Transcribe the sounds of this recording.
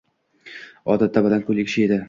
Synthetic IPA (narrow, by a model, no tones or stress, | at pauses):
ɒ̰d̪at̪ʰːabad̪ankʰɵlekʲʃɪed̪ɪ